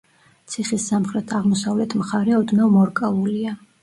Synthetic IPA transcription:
t̪sʰiχisːamχɾɛt̪ʰaʁmɔsavlɛt̪ʰmχaɾɛɔd̪nɔmɔɾkʼalˠulia

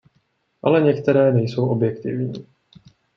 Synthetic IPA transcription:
ʔalɛɲɛkt̪ɛɾɛːnɛjso̞wʔo̞bjɛkt̪ɪvɲiː

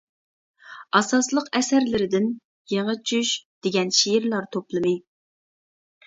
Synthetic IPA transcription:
ɑsɑslˠəqɛsæɾlɪɾɪd̪ɪn | jeŋɨt͡ʃʰyʃd̪̥ɪɡʲɛnʃijiɾlˠɑɾt̪ʰoplˠɨmɨ

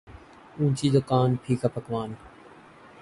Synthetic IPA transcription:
ũːt͡ʃiːd̪ʊkaːnpʰiːkaːpəkʋaːn

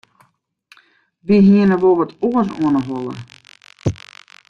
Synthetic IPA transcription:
ʋiɦiənəʋoʋətuəs̬uənəɦɔlˠə̰

